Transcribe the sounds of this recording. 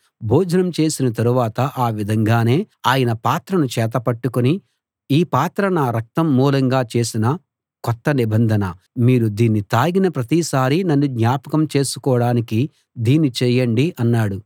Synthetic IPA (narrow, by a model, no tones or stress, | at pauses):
bʱoːd͡ʒɐnɐmt͡ʃe̞ːsinɐt̪ɐɾuʋaːt̪ɐʔaːʋid̪ʱɐŋɡaːne̞ː | aːjɐnɐpaːt̪ɾɐnut͡ʃɛːt̪̬ɐpɐʈːukuni | iːpaːt̪ɾɐnaːɾɐk̚t̪ɐmːuːlɐŋɡaːt͡ʃe̞ːsinɐ | kɔt̪ːɐnibɐnd̪ʱɐnɐ | miːɾud̪iːnːit̪aːɡinɐpɾɐt̪iːsaːɾinɐnːuɡɲaːpɐkɐmt͡ʃe̞ːsu̥kɔːɽaːniki | d̪iːnit͡ʃɛjɐɳɖiʔɐnːaːɽu